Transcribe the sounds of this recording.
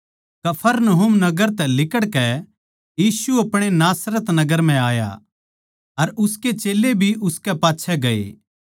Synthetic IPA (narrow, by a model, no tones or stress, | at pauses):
kɐpʰəɾnɐɦʊmnɐɡəɾt̪ɛlɪkəɽkɛ | jiːsuɐpɽ̃enaːsɾət̪nɐɡəɾm̤ɛ̃aːja̰ | ɐɾʊsket͡ʃeːlebʱiʔʊskɛpaːtːʃʰɛɡɐḛː